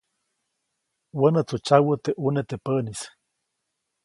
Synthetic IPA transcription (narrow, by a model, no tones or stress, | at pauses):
wənət͡sut͡ʃawət̪eʔunet̪epənis